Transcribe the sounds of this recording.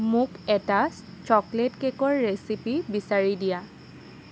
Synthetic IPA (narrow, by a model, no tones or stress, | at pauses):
mʊkɛta | t͡ʃɔkletkekɔɹːesipibisaɹidija